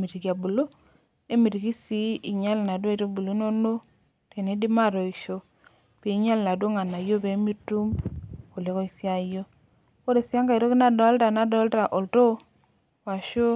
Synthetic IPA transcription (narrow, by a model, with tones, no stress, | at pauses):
mi˨ɾi˨ki˨a˨bu˨lo˦ | e˦mi˨ɾi˨ki˦si˦i˨ɲa˦lna˨dwto˦bu˨lo˨˦no˦no˦ | te˨ne˨˦di˦ma˦˨ɾo˨i˨ʃo˦ | pi˨˦ɲa˦lna˨dwo˦ŋa˨na˨jo˦be˨˦mi˦tu˦mko˨le˦ko˦i˨sja˦jo˦ | ko˦ɾe˨sja˦ŋka˨i˨ɾo˦ki˦na˨dɔ˨˦lta˨na˨˦dɔ˨˦lta˨ʔo˨lto˦ | wa˨ʃo˦